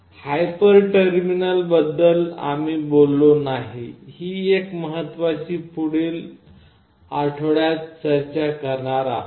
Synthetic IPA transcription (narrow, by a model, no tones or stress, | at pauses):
hajpəɾʈəɾminəlbəd̪ːəla̰miːbolːonaɦihiːekməɦət̪ːʋat͡ɕiːpuɽiːl | aʈʰɭjat͡st͡ɕəɾt͡ɕakəɾɳaɾa̰